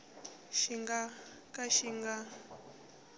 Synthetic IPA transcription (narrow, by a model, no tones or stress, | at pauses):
ʃiŋɡa | kaʃiŋɡa